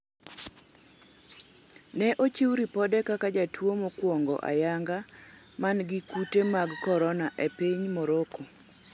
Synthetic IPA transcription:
nɛʔot͡ʃiwɾipɔdɛkakad͡ʒatʰwomokwɔŋɡɔ̰ʔa̰jaŋɡa | manɡɪkutemaɡkɔɾɔnaʔepiɲmoɾoko

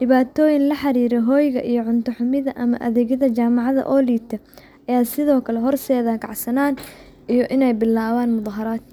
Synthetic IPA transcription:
ɖɪβaːt̪ʰɔːjɪnlɐħɑɾiːɾɛɦɔːjɣɐʔijɔʕʊnt̪ʰɔħʊmɪðɐʔɐmɐ̰ʔɐ̰ðɛːɣɐðɐt͡ʃaːmɑʕɑðɐ̰ʔɔːliːt̪ʰɐ | ʔɐjaːsɪðɔːkʰɐlɛɦɔrsɛːðɐːɡɑ̰ʕsɐnaːn | ʔijɔʔɪnɛjbɪlːaːwaːnmʊðˤɑɦɐɾaːd̪̥̚

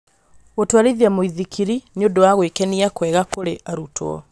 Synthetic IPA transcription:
ɣotwaɾiðiamoiðikʰiɾineodowaɣwekɛniakwɛɣakoɾeʔaɾutʰwɔ̰

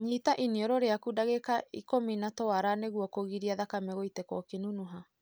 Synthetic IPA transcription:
ɲitaʔiniɔɾɔɾeakudaɣekaḭkominatɔaɾaneɣuɔkoɣiɾiaðakamɛɣoitɛkɔkenunuɦa

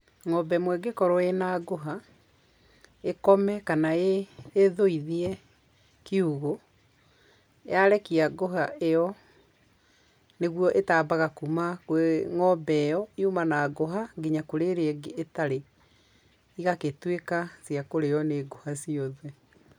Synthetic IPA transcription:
ŋɔbɛmwɛɡekɔɾɔenaɡoɦa | ekɔmɛkanaeːðoiðiɛ | kiuɣo | ḛaɾɛkiaɡoɦaeɔ | neɣwɔʔetabaɣakumakŋɔbɛjɔiumanaɡoɦaɡiɲakoɾeɾeɡːtaɾe | iɣaketwekasiakoɾeɔneɡohasiɔðɛ

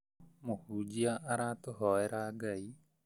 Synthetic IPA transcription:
mohud͡ʒiaʔaɾat̪oɦɔeɾaɡai

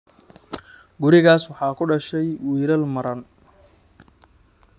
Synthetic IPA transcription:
ɡʊɾɪɣaːswɑħɑːkʰʊɖɐʃɛjwiːɾɐlmɐɾɐn

